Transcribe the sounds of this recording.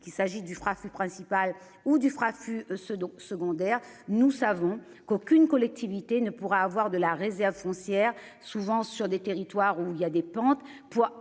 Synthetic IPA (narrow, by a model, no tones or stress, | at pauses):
kilsaʒid̪yfχafypχɛ̃sipal | ud̪yfχafyssəɡɔ̃d̪ɛʁnusavɔ̃ | kokʲynkɔlɛk̚t̪ivit̪enəpuʁaːvwaʁd̪əlaʁezɛʁvfɔ̃sjɛʁ | suvɑ̃syʁd̪et̪eʁit̪waʁuiljad̪epɑ̃t̪ | puʁ